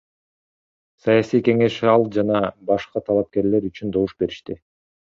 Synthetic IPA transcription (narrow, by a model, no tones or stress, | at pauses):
sɑjasijke̞ŋe̞ʃɑlˠd͡ʒɑnɑbɑʃqɑt̪ʰɑlˠɑp̚ke̞ɾle̞ɾyt͡ʃynd̪o̞vuʃbe̞ɾiʃt̪i